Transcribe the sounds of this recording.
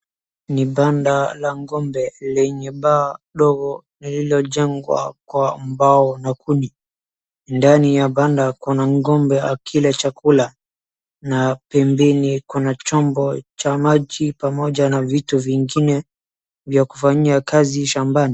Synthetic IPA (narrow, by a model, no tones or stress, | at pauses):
niɓandalaŋɡɔmbɛlɛɲɛɓaːɗɔɡɔ | nililɔʄɛŋɡwa̰kwambaɔnakʰuni | ndanijaɓandakunaŋɡɔmbɛakʰilɛt͡ʃakula | napɛmbɛnikunat͡ʃɔmbɔt͡ʃamaʄipamɔʄanavituviŋɡinɛ | vjaku̥faɲiakaziʃambani